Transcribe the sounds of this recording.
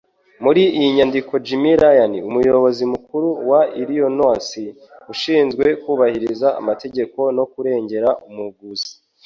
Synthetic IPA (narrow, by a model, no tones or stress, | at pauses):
muɾiijiɲandiko̞d͡ʒimiɾajaniumujo̞βo̞zimukuɾuwaiɾijo̞no̞ːnsi | uʃiːnzɡwe̞kuːβahiɾizaa̰mate̞ɟe̞ko̞no̞kuɾe̞ːɲɟe̞ɾaʔumuɡuzi̥